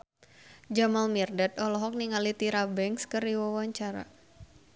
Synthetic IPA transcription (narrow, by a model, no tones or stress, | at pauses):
d͡ʒamalmirdat̪ɔlɔɦɔk̚niŋalit̪iɾabɛŋkskɨrdiwawaɲt͡ʃaɾa̰